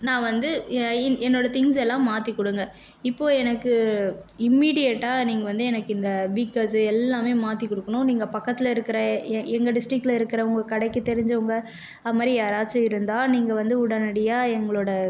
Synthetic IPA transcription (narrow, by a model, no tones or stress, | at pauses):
nãːʋɐnd̪ɯɪɛnːoːɽɐt̪ɪŋs̬ɛlːãːmaːt̪ikːɔɽɯŋɡɐ | ɪpːoːɛnɐkːɯɪmːiːɽɪjɐʈːaːniːŋɡɐʋɐnd̪ɯɛnɐkːɯɪnd̪ɐʋikɐsɛlːãːmeːmaːt̪ikːɔɽɯkːɐɳʊ̃niːŋɡɐpɐkːɐt̪ːɪlɐɪɾɯkːɪɾɐɛŋɡɐɖɪsʈɾɪkːɪlɪɾɯkːɪɾɐʊŋɡɐkɐɽɐɪkːɯt̪ːɛɾɪɲd͡ʒɐʊŋɡɐ | ɐðɐmaːd̪ɾijaːɾaːt͡ʃːɐɪɾɯnd̪aːniːŋɡɐʋɐnd̪ɯʊɽɐnɐɽɪjaːɛŋɡɐɭoːɽɐ